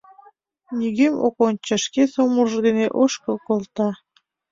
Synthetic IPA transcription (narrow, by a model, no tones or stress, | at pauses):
nʲiɣemo̰kont͡ɕəʃkesomulʒəd̪eneʔoʃkəkolt̪ɑ